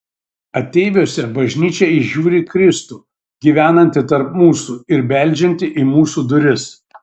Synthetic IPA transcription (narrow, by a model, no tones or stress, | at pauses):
ɐt̪ʲɛɪʋʲoːsʲɛbɐʒʲnʲiːt͡ʃʲɛɪʒʲuːɾʲɪkɾʲɪst̪uː | ɡʲiːʋʲæːnɐnʲt̪ʲɪt̪ɐɾpmuːsuɪɾbʲæˑlʲˑd͡ʒʲɛnʲt̪ʲɪʔɪmuːsuːd̪ʊɾʲɪs